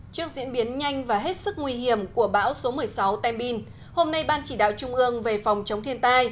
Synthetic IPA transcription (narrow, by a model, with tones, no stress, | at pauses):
t͡ɕɨ˦˥ək̚zḭ˧˥ənɓi˨˦ənɲa˧jŋ̟vaː˨˩ɦe˦˥t̚sɨ˦˥k̚ŋwi˧ɦi˧˩əmku˧˩əɓa̰ː˧˥wso˨˦mɨ˨˩əjsa˨˦wt̪ɛ˧mɓi˧n | ho˧mna˧jɓaː˧nt͡ɕi˧˩ɗa̰ː˧˨wt͡ɕʊ˧ŋ͡mʔɨ˧əŋve˨˩fɔ˨˩wŋ͡mt͡ɕə˨˦wŋ͡mt̪ʰi˧ənt̪aː˧j